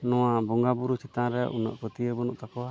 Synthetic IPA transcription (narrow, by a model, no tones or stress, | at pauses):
nɔwabɔŋɡabuɾut͡ʃʰit̪ãɾɛʔunə̰ʔkɔt̪iəbɔnuʔt̪akɔa